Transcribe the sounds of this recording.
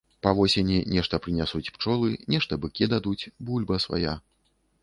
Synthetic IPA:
pɐvɔsʲenʲinʲɛʂt̪ɐpɾɨnʲasut͡sʲpt͡ʂɔlˠɨnʲɛʂt̪ɐbɨkʲid̪ad̪ut͡sʲbulʲbɐsva̰ja

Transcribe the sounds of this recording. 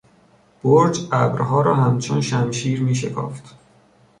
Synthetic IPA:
b̥oɾd͡ʒæbɾɦɒːɾɒːɦæmt͡ʃʰonʃæmʃiːɾmiːʃ̬e̞kʰɒ̰ːft̪

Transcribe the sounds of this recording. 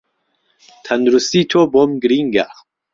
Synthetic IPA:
t̪ʰɐnd̪uɾust̪iːt̪ʰobomɡɨɾiŋɡa̰

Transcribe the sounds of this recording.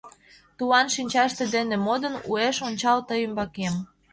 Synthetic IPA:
t̪uɑnʃinʲt͡ɕɑʃt̪ĕd̪enĕmod̪ənṵeʃonʲt͡ɕɑlt̪əjəmbɑkem

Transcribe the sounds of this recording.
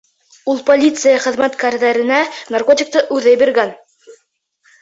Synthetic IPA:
ulˠpolʲit̪sɨjaχɘ̆ðmæt̪kæɾðæɾɘ̆nænɐrkot̪ʲɪk̚t̪ɤʔʉðɘjbiɾɡæn

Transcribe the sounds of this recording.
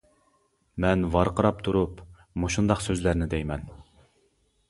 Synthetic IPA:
mɛnvɑɾqəɾɑp̚t̪ʰuɾup | moʃund̪ɑqsøzlæɾnɪd̪ɛjmɛn

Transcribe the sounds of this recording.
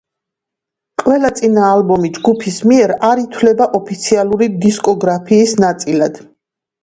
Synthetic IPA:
qʼwɛlat̪sʼinaːlbɔmid͡ʒɡupʰismiɛɾaɾit̪ʰwlɛbaʔɔpʰit̪sʰialˠuɾid̪iskʼɔɡɾapʰiːsnat̪sʼilad̪̥

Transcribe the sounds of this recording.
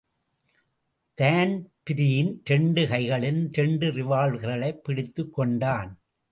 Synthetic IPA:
t̪aːnpɪɾɪjɪnt̪ɛɳɖɯɣɐɪɣɐɭɪnt̪ɛɳɖɯɾɪʋaːɭɣɐɾɐɭɐɪpːɪɽɪt̪ːɯkːɔɳɖaːn

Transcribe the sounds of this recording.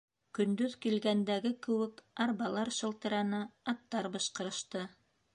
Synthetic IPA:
kɵ̆nd̪ɵðkilɡænd̪æɡɘkɘ̆wɘkɑɾbɑlˠɑɾʃɤ̆lˠt̪ɤ̆ɾɑnɤɑt̪ːɑɾbɤ̆ʃqɤ̆ɾɤ̆ʃt̪ɤ

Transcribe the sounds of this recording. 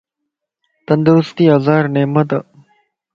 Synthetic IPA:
t̪ɐnd̪əɾʊst̪iːɐzaːɾneːmət̪ɐ

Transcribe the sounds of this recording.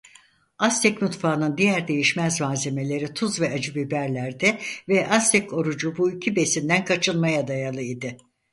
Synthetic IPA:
ast̪ʰɛcmut̪faːnɯnd̪ijæɾd̪e̞jiʃmæzmaːzeme̞lʲe̞ɾit̪ʰuzvɛad͡ʒɯbibæɾlʲæɾd̪ɛvɛʔast̪ʰɛco̞ɾud͡ʒubuicʰibe̞sind̪ænkʰat͡ʃʰɯlˠmajad̪ajalˠɯid̪ɪ

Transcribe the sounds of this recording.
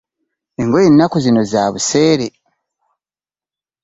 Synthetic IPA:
eŋɡo̞jenːakuzino̞zaːβuse̞ːɾe

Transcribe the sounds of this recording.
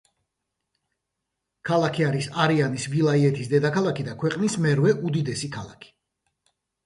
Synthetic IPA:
kʰalˠakʰiaɾisaɾianisvilˠaiɛt̪ʰisd̪ɛd̪akʰalˠakʰid̪akʰwɛqʼnismɛɾvɛʔud̪id̪ɛsikʰalˠa̰kʰi̥

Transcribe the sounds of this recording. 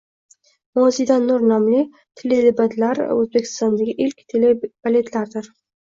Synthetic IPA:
mozijd̪anːʊɾnamlɪ | t̪ʰelɪd̪ɪbat̪ʰlaɾ̰ɵzbekʲʰɪ̥st̪ɒnd̪aɡʲɪʔɪlkʲt̪ʰeleb̥alet̪laɾd̪ɪɾ

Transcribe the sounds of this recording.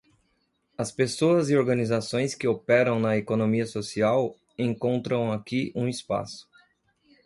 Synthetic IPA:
ɐspesoɐzɪoɾɡɐnizasõj̃skɪopɛɾɐ̃w̃nɐekonõmiɐsosiaw | ẽŋkõnt̪ɾɐ̃w̃akiʔũispa̰sʊ̥

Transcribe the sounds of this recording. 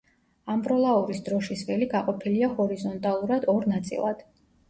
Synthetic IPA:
ambɾɔlˠauɾisd̪ɾɔʃisvɛliɡaqʼɔpʰiliahɔɾizɔnt̪ʼalˠuɾad̪ɔɾnat̪sʼḭlˠa̰d̪̥

